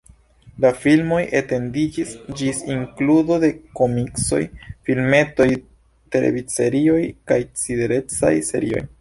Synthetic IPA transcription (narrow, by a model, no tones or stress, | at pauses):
lafilmo̞jʔete̞ndid͡ʒisd͡ʒisiŋkluzo̞de̞ko̞mikso̞̰jfilme̞to̞j | te̞lḛvit͡se̞ɾio̞jkajt͡side̞ɾe̞t͡sa̰jse̞̰ɾio̞̰j